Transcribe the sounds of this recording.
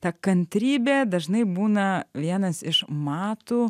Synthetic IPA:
t̪ɐkɐnʲt̪ʲɾʲiːbʲeːd̪ɐʒnɐɪbuːnɐʋʲiɛnɐsɪʃmɑːt̪uː

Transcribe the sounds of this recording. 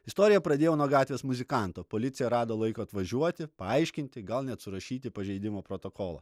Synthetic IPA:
ɪst̪oːɾʲɪjɛpɾɐd̪ʲeːjɛnuɔɡɑːt̪ʲʋʲeːsmʊzʲɪkɑˑnt̪oːpoːlʲɪt̪sʲɪjɛɾɑːd̪oːlˠɐɪkoːɐt̪ʋɐʒʲuɔt̪ʲɪpɐɐɪʃʲkʲɪnʲt̪ʲɪɡɐlˠnʲɛt̪sʊɾɐʃʲiːt̪ʲɪpɐʒʲɛɪd̪ʲɪmoːpɾot̪oːkoːlˠɐ̰

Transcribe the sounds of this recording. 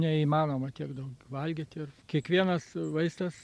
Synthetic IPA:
nʲɛimɑːnoːmɐt̪ʲiɛɡd̪ɐʊkʋɐlʲɡʲɪt̪ʲɪrkʲiɛkʋʲiɛnɐsʋɐɪst̪ɐs

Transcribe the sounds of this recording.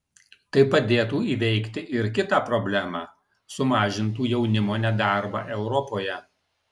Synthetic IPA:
t̪ɐɪpɐd̪ʲeːt̪uːiːʋʲɛɪkt̪ʲɪʔɪɾkʲɪt̪ɑːpɾɔbʲlʲæmɑː | sʊmɑːʒʲɪnt̪uːjɛʊnʲɪmoːnʲɛd̪ɑˑɾbɑ̰ːʔɛʊɾɔpoːjɛ

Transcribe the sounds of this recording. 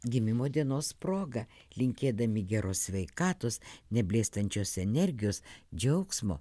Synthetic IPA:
ɡʲɪmʲɪmoːd̪ʲiɛnoːspɾoːɡɐ | lʲɪŋʲkʲeːd̪ɐmʲɪɡʲæɾoːsʲsʲʋʲɛɪkɑːt̪oːsnʲɛbʲlʲeːst̪ɐnʲt͡ʃʲoːsɛnʲɛɾʲɡʲɪjoːsd͡ʒʲɛʊksmo̰ː

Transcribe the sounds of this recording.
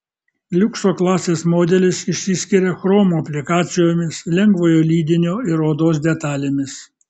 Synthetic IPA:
lʲʊksoːklˠɑːsʲeːsmoːd̪ʲɛlʲɪsɪʃʲsʲɪsʲkʲɪɾʲexɾoːmuːɐpʲlʲɪkɑːt̪sʲɪjoːmʲɪslʲɛŋɡʋoːjoːlʲiːd̪ʲɪnʲoːɪɾoːd̪oːs̬d̪ʲɛt̪ɑːlʲeːmʲɪs

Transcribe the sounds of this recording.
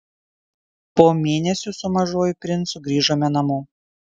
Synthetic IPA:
poːmʲeːnʲɛsʲʊsʊmɐʒoːjɪpʲɾʲɪnsʊɡɾʲiːʒoːmʲɛnɐmʊ

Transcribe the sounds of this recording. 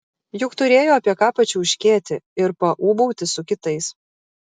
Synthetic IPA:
jʊkt̪ʊɾʲeːjoːɐpʲiɛkɑːpɐt͡ʃʲuːɪʃʲkʲeːt̪ʲɪɪɾpɐʔuːbɐʊt̪ʲɪsʊkʲɪt̪ɐɪs

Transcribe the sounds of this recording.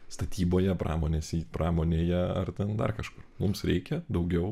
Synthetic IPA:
st̪ɐt̪ʲiːboːjɛpɾɑ̰ːmoːnʲeːsʲiːpɾɑːmoːnʲeːjɛɐrt̪ʲɛnd̪ɐ̰rkɐʃkʊrmʊmsɾʲɛɪkʲɛd̪ɒʊɡʲɛʊ

